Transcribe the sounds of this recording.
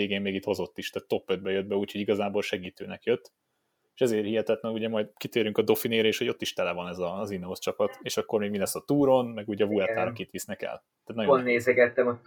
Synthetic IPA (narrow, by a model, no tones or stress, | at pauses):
eːɡeːmːeːɡit̪ho̞zo̞t̪ːiʃt̪aːt̪tːo̞pːød̪̚bɛjød̪̚bɛuːcho̞ɟiɡɒzaːbolʃɛɡiːt̪ø̰ːnɛkjøt̪ː | eːʃɛzeːrhihɛt̪ɛt̪lɛnuɟɛmɒjd̪kit̪eːɾyŋkɒd̪o̞fineːɾɛeːʃho̞ɟo̞t̪ːiʃt̪ɛlɛvɒnɛzɒzinɦost͡ʃɒpɒt̪eːʃɒkːo̞rmeːɡmilɛsːɒt̪uːɾo̞nmɛɡuːɟɒvuɛrt̪aːɾɒkit̪ʋisnɛkɛ̰l | t̪æaːt̪nɒjonːeːzɛɡɛt̪ːɛmɒ